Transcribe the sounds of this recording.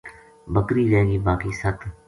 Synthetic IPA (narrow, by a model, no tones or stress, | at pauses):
bəkɾiːɾẽːɡiːbaːkiːsət̪ʰ